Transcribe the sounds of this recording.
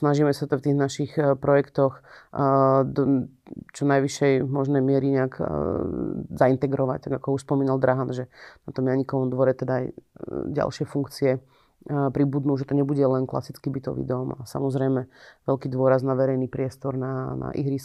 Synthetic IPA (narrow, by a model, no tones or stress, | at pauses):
snaʒiːmɛsat̪ɔft̪iːɣnaʃixpɾɔjɛkt̪ɔx | d̪ɔ | t͡ʃɔnajʋiʃɛjmɔʒnɛjmɪɛɾiɲɛaɡ | zaint̪ɛɡɾɔʋa̰c̚t̪aɡakɔuʃspɔmiːnald̪ɾaɦanʒɛnat̪ɔmjaɲikɔʋɔmd̪ʋɔɾɛt̪ɛd̪aːjɟa̰lʃɪɛfuŋkt͡siɛ | pɾibud̪nuʒɛt̪ɔɲɛbuɟɛlɛnkla̰sit͡skibit̪ɔ̰ʋḭd̪ɔma̰sa̰mɔzɾɛjmɛʋɛlkiːd̪ʋʊɔɾaznaʋɛɾɛjnipɾɪɛst̪ɔɾnana̰ʔḭɦɾis